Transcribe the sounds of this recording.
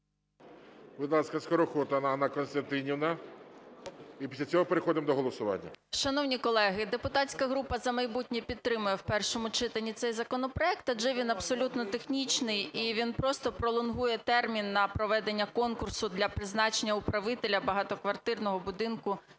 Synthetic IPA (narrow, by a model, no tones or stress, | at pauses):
bɪd̪lˠɑsʲkɐskɔɾɔxɔt̪ɐnɐnakɔnst̪ɐnt̪ɪnʲiwnɐ | ipʲislʲɐt͡sʲɔɦɔpeɾexɔd̪ɪmd̪ɔɦɔlˠɔsʊʋɑ̰nʲːɐ̰ʃɐnɔwnʲikɔlˠɛɦɪd̪epʊt̪ɑtʲsʲkɐɦɾupɐzɐmɐjbutʲnʲipʲid̪̚t̪ːɾɪmʊjɛwpɛrʃɔmʊt͡ʃɪt̪ɐnʲːit̪sɛjzɐkɔnɔpɾɔɛkt̪ɐd͡ʒɛʋʲinɐbsɔlʲut̪nɔt̪exnʲit͡ʃnɪjiʋʲinpɾɔst̪ɔpɾɔlˠʊnɦujɛt̪ɛrmʲinːɐpɾɔʋɛd̪e̞nʲːɐkɔnkʊrsʊd̪lʲɐpɾɪznɑt͡ʃenʲːɐʊpɾɐʋɪt̪elʲɐbɐɦɑt̪ɔkʋɐrt̪ɪrnɔɦɔbʊd̪ɪnkʊ